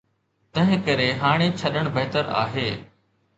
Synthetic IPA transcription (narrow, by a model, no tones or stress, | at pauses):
t̪ɐ̃ɦɪ̃kɐɾeɦaːɽ̃et͡ɕʰɐɗəɽ̃bɐɦt̪əɾa̰ːɦeː